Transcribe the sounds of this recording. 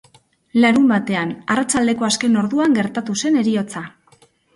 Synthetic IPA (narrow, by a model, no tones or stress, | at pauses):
laɾumbat̪e̞anarat͡ʃald̪e̞ko̞aske̞no̞ɾðuaŋɡe̞ɾt̪at̪use̞ne̞ɾio̞t͡sa